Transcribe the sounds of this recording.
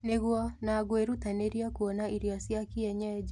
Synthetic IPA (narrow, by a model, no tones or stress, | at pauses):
neɣwɔnaɣweɾutaneɾjakuɔnaiɾjɔsjakiɛɲɛd͡ʒ